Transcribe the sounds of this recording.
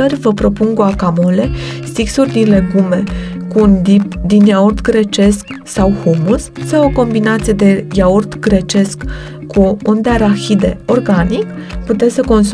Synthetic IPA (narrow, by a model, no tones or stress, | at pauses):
ərʲvəpɾo̞puŋkuakamo̞le̞st̪iksurʲd̪inle̞ɡume̞kuːnd̪ip̚d̪injaurd̪ɡɾe̞t͡ʃe̞sk | sawhomusːawo̞ko̞mbinat̪sije̞d̪e̞jaurd̪ɡɾe̞t͡ʃe̞skː | uund̪eaɾaxid̪e̞̰o̞rɡanik | put̪essəko̞ns